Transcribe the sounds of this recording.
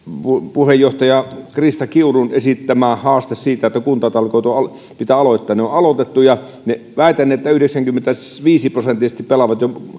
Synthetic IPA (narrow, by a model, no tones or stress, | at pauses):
pupuhejoht̪ɑjɑkrist̪ɑkiurunesit̪ːæmæːhɑːst̪essiːt̪æet̪ːækunt̪ɑt̪ɑlkoˑit̪oɑ | pit̪æɑloˑit̪ːɑːnneoʔʔɑlot̪et̪ːujɑ | ne | ʋæˑit̪ænːeːet̪ːæyhdeksæŋkymːent̪æʋiːsiprosent̪ːˑist̪ipelɑʋɑt̪jo